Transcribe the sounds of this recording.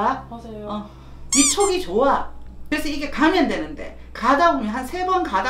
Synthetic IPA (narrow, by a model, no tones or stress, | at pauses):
ʌ | pit͡ɕʰoɡit͡ɕoakɯɾe̞sʰʌiɡe̞kamjʌndwe̞nɯnde̞̰ | kadabomjʌnɦansʰe̞bʌnkada